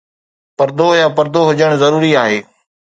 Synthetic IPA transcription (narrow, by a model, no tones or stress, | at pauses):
pɐɾd̪ojaːpɐɾd̪oɦʊd͡ʑəɽ̃zɐɾuːɾiaːɦeː